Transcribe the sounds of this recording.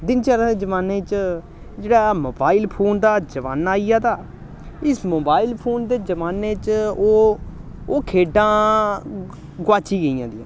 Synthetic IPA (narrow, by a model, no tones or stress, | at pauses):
d̪ɪnt͡ʃaːɾaːd̪eːd͡ʒəʋaːneːt͡ʃ | d͡ʒeːɽaːmoːbaːiːlpʰoːnd̪aːd͡ʒəʋa̰ːnaːijãːd̪aː | ɪsmoːbaːiːlpʰoːnd̪eːd͡ʒəʋaːneːt͡ʃoː | oːkʰeːɖãː | ɡwaːt͡ʃiːɡəijãːd̪ijã̰ː